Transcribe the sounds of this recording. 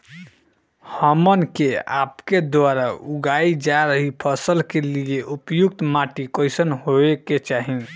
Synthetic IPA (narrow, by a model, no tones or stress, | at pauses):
həmənkea̰pked̪waɾauɡaid͡ʒaɾəɦipʰəsəlkelieʔupjuk̚t̪maʈikəjsənɦoeket͡ʃaɦi